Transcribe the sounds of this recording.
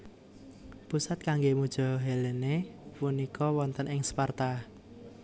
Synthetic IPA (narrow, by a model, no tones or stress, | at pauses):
pusat̪̚kaŋɡemud̥ʒ̥ɔ̤ɦelenepunikʰɔwɔnt̪ənɪŋspart̪a